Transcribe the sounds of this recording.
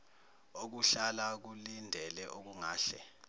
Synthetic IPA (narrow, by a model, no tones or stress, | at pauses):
ok̬uɬalak̬ulindʱɛlɛʔok̬uŋaːɬɛ̰